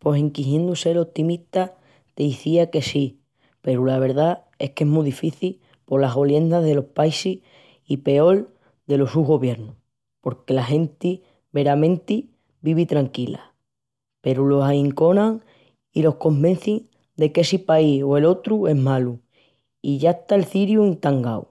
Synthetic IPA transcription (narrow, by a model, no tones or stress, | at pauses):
po̞siŋkiɦjend̪use̞lo̞p̚t̪imiht̪a | t̪eiθiake̞si | pe̞ɾulaβ̞e̞ɾða | e̞hke̞ɦmuðifiθil | po̞ɾlaɦɣo̞lje̞nd̪aðe̞lo̞hpaisih | ipe̞o̞l | d̪e̞lo̞suɦɣo̞βje̞ɾnu | po̞ɾke̞laɦe̞nt̪i | βe̞ɾamẽ̞nt̪i | biβit̪ɾaŋkila̰ | pe̞ɾulo̞ɦaiŋko̞nãŋ | ilo̞hko̞mbẽ̞n̟θiŋ | d̪e̞ke̞sipaioe̞lo̞t̪ɾue̞ɦmalu | iʝaeht̪aelθiɾjuent̪aŋɡaw